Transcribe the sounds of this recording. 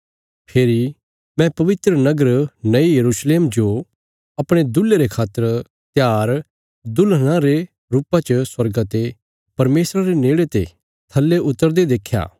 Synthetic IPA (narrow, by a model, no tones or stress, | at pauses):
pʰeːɾi | mɛ̃pɐʋɪt̪ɾənɐɡəɾnɐijɐɾuːsleːmd͡ʒo | ɐpɽ̃ed̪ʊleɾekʰaːt̪ːəɾ | t̪jaːɾ | d̪ʊlñãɾe | ɾuːpãt͡ʃəswɐɾɡat̪e | pɐɾmeːsɾaɾeneːɽet̪ḛ | t̪ʰɐlːeʊt̪ːəɾd̪ed̪eːkʰːja̰ː